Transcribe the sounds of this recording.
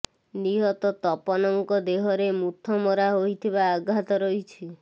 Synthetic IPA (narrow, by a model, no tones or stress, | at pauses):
niɦɔt̪ɔt̪ɔpɔnɔŋkɔd̪eɦɔɾemut̪ʰːɔmɔɾaɦojt̪ʰibaːɡɦat̪ɔɾɔjt͡ʃʰi